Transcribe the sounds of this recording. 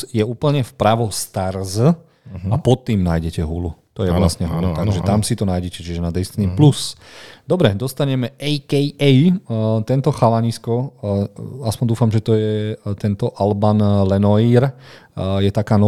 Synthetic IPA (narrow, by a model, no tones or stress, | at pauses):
jɛuːpl̩ɲɛfpɾaʋɔst̪aɾz | apɔt̪ːiːmnaːjɟɛcɛɦulut̪ɔjɛʋlasɲɛɦulut̪at̪ɔʒɛt̪amsit̪ɔnaːjɟɛcɛt͡ʃiɛʒɛnad̪ɛst̪niplusd̪ɔbɾɛd̪ɔst̪aɲɛmɛɛjkɛjɛjt̪ɛnt̪ɔxalaɲiskɔ | aspɔɲnd̪uːfamʒɛt̪ɔjɛt̪ɛnt̪ɔʔalbanlɛnɔiːɾ | jɛt̪akaːnɔ